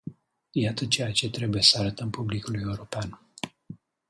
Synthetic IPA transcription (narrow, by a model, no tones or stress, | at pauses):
jat̪ət͡ʃe̞jat͡ʃe̞t̪ɾe̞buje̞səaɾət̪əmpublikuluje̞uɾo̞pean